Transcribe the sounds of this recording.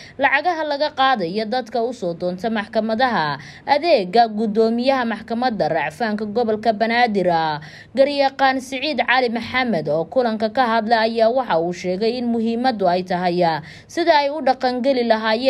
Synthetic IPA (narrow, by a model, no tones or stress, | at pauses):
lɑʕɑɣɐɦɐlɐɣɐqɑːðɐjɔd̪ɐd̪kʰɐʊsɔːd̪ɔːnt̪ʰɐmɑħkʰɐmɐðɐɦɐ | ʔɐðɛːɡɐɡʊd̪ɔːmɪjɐɦɐmɑħkʰɐmɐd̪ɐrɑʕfaːŋkʰɐɡɔβɔlkʰɐbɐnaːd̪ɪɾɐ | ɡɐrjɐqɑːnsɐʕiːd̪ʕɑːlɪmɐħɑmɐd̪ɔːkʰʊlɐŋkʰɐkʰɐɦɐd̪lɛjɐjaːwɑħɑuːʃɛːɣɛjɪnmʊɦiːmɐd̪ʊɛjt̪ʰɐɦɛjɐ | sɪðɐɛjʊɖɑqɑŋɡɛlɪlɐɦaːjɛː